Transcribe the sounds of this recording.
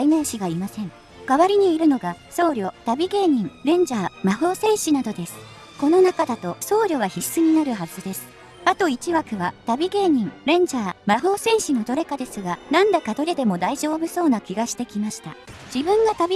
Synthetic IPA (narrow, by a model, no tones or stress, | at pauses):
ino̞ːɕiɡaimasẽ̞ŋ | kaβaɾʲiɲ̟iːɾɯ̟no̞ɡaso̞ːɾʲo̞t̪abʲiɡe̞ːɲ̟ĩŋɾẽ̞ɲ̟d͡ʑaːmaɦo̞ːsẽ̞ɰ̃ɕinad̪o̞d̪e̞sɨ̥ | ko̞no̞nakad̪at̪o̞so̞ːɾʲo̞β̞açi̥sɨɲ̟inaɾɯ̟ɦaz̥ɨd̪e̞sɨ̥ | at̪o̞it͡ɕiβakɯ̟βat̪abʲiɡe̞ːɲ̟ĩŋɾẽ̞ɲ̟d͡ʑaːmaɦo̞ːsẽ̞ɰ̃ɕino̞d̪o̞ɾe̞kad̪e̞sɨɡanãnd̪akad̪o̞ɾʲed̪e̞mo̞d̪aiʑo̞ːbɯ̟so̞ːnakʲiɡaɕi̥t̪e̞kʲimaɕi̥t̪a̰d͡ʑibɯ̟̃ŋɡat̪abʲ